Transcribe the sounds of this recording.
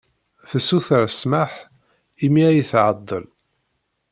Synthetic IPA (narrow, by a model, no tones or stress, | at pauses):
θəsuθəɾsmaħ | imiæjəθʕəd̪ˤːə̰l